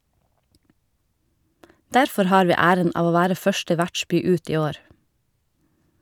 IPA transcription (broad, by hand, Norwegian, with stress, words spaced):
ˈdæɾfɔɾ ˈhɑːɾ ˈʋiː ˈæːɾən ˈɑːʋ ˈoː ˈʋæːɾə ˈfœʃʈə ˈʋæʈˌʃbyː ˈʉːt ˈiː ˈoːɾ